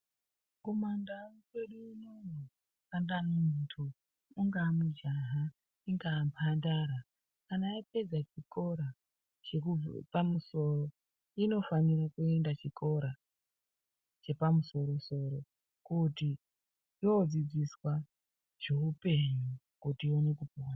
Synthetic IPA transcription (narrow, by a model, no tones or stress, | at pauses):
ko̞mandakweɗuinomu | andamuntʰu | uŋɡamud͡ʒaɦa | iŋɡaːmpʰandaɾa | kanaipe̞d͡zat͡ʃiko̞ɾa | t͡ʃekupamuso̞ro̞ | ino̞fanirakue̞ndat͡ʃikʰo̞ɾa | t͡ʃe̞pamuso̞ɾo̞so̞ɾo̞ | kuti | jod͡zid͡ziswa | ʐ̥eupe̞ɲu | kutione̞kupiwan